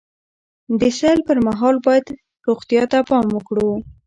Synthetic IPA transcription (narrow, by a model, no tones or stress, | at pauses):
d̪əsalpəɾmaɦɑlbɑjad̪ | ɾoɣt̪jɑt̪apɑməkɽu